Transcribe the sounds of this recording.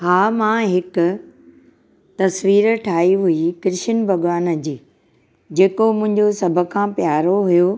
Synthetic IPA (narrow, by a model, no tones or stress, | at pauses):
haːmãːɦɪkʊ̆ | t̪ɐsʋiːɾə̆ʈʰaːɦiɦuikɪɾɪʃənbʱɐɠʋaːnəd͡ʑiː | d͡ʑeːkomʊ̃ɦɪ̃ɲd͡ʑosɐbʱə̆kʰãːpjaːɾoɦujo